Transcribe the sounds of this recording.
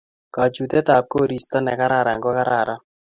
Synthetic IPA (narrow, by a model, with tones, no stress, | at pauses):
ka˨t͡ʃu˨t̪ɛ˦ta˨p̚ko˦˨ɾi˨st̪a˦nɛ˨ka˦ɾa˦˨ɾa˨ŋɡɔ˦ka˦ɾa˨ɾa˦